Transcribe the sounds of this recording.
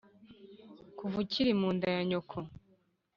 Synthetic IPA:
kuvuciɾimuːndajaɲokʰo

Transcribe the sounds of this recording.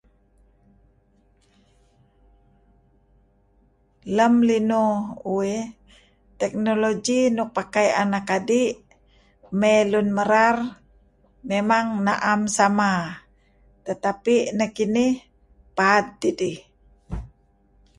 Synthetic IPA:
ləmlinuue | t̪ɛk̚nolod͡ʒinuk̚pakajanakadiʔ | mɛlunməɾar | memaŋnaʔamsama | t̪ət̪apinəkinih | pad̪̚d̪idi

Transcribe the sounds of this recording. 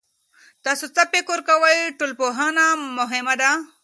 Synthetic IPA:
t̪aːsut͡sapekoɾkɐwajʈolpoɦanamʊɦemad̪a

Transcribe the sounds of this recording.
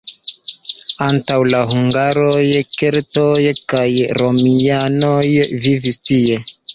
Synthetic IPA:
antawlaɦuŋɡaɾo̞jkeɾto̞jkajɾo̞miano̞jvivistie̞

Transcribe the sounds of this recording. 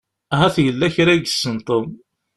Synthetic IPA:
æɦæθjəlːæçɾæɡəsːənt̪ˤəm

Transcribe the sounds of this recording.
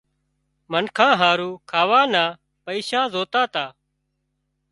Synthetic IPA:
mənkʰãːɦaːɾuːkʰaːʋaːnaː | pəiːʃaːzoːt̪aːt̪aː

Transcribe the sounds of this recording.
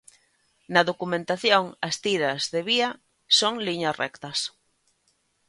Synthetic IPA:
nɐðokumẽnt̪aθjoŋɐst̪iɾɐzðeβia | soŋliɲɐsrɛ̰kt̪ɐs

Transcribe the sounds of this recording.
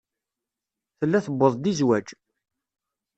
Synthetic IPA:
θəlːæθəbːəðˤd̪izwæd͡ʒ

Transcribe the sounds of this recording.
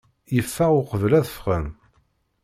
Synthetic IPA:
jəfːæʊqəvəlæðəfʁəm

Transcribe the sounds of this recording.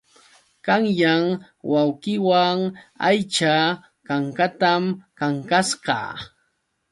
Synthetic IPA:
kaŋjaŋ | wawqɪwaŋajt͡ʃa | kaŋkat̪amkaŋkasɢɑ̰ː

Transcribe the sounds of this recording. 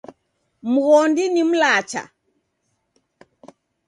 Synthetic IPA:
m̩ɣɔndinim̩lat͡ʃa̰

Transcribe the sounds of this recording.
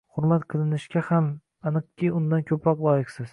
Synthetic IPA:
hʊɾmat̪qʰɨlˠɪnɪʃkʲaham | anɨqkʲijʊnd̪ankʲʰɵpʰɾɒqlˠɒjɪqsɪz̥

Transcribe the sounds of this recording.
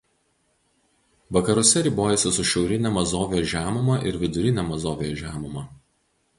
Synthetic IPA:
ʋɐkɐɾʊsʲɛɾʲiːˑboːjɛsʲɪsʊʃʲɛʊɾʲɪnʲɛmɐzoːʋʲjoːʒʲæːmʊmɐʔɪɾʋʲɪd̪ʊɾʲɪnʲɛmɐzoːʋʲejoːʒʲæːmʊmɐˑ

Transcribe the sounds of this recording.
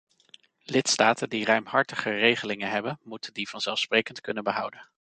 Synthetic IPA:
lɪtstaːtʰəndirœɥmɦɑɹtəχərejχəlɪŋənɦɛbənmutəndiv̥ɑnz̥ɛlˠfsprejkəntkɵnənbəɦʌwdən

